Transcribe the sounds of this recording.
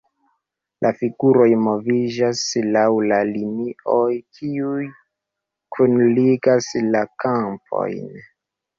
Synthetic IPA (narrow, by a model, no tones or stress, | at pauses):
lʔafiɡuɾo̞jmo̞vid͡ʒaslawlaliniojkʰiuj | kʰunliɡaslakamp̚ʰo̞̰jn